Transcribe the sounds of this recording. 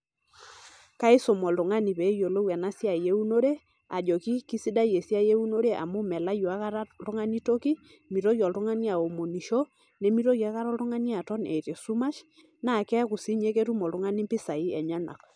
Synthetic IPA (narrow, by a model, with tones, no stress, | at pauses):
ka˦ɪ˦sɔ˨mɔ˨ltʊ˨ŋa˦ni˨pɛ˨˦jo˨lo˦wɛ˨na˦sja˨je˦u˦no˦ɾe˦ | a˨d͡ʒɔ˨ki˦ki˦si˦da˦je˨sja˦je˦u˦no˦ɾe˦ʔa̰˨mu˦mɛ˨la˦jɔ˨a˦ka˦ɾa˦tʊ˦ŋa˦ni˦to˦ki˦ | mi˨ɾo˦jɔ˨ltʊ˦ŋa˦ni˦a˨o˨mo˨ni˨ʃo˦ | ne˦mi˦ɾo˦ja˨˦ka˦ɾɔ˦lʊ˦ŋa˦ni˦a˨tɔ˦nɛ˨te˨su˦ma˦ʃ | na˦˨kɛ˦ku˨si˦ɲe˦ke˦tu˦mɔ˨ltʊ˦ŋa˦ni˦mpi˦sa˨i˦ɛ˨ɲa˦na̰˨k